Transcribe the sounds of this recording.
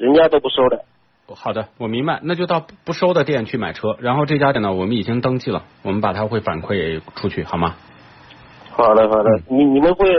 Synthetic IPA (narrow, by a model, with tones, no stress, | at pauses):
ɻə˧˥nt͡ɕja˥t̪o˥ʊpu˥˩ʂo˥ʊd̪ə˨ | xɑ˨˩ʊd̪ə˦wɔ˨˩mi˧˥ŋba˧ɪna˥˧t͡ɕjʊt̪ɑ˥˧ʊpu˥˩ʂo˥ʊd̪ə˨t̪jɛ˥˧nt͡ɕʰy˥˩ma˨˩ɪʈ͡ʂʰɤ˥ɻa˧˥nxo˥˧ʊʈ͡ʂɤ˥˩t͡ɕja˥t̪jɛ˥˩nə˧˩wɔ˨˩mə˦ni˨˩t͡ɕi˥ŋt̪ɤ˥ŋt͡ɕi˥˩lə̰˩wɔ˨˩mə˦npa˨˩t̪ʰa˥xwe˥˩ɪfa̰˨˩nkʰwe˥˩ɪ˩ʈ͡ʂʰu˥t͡ɕʰy˥˩xɑ˨˩ʊmɐ˥ | xɑ˨˩ʊd̪ə˦xɑ˨˩ʊd̪ə˧˦ni˨˩ni˨˩mə˦nxwe˥˩ɪ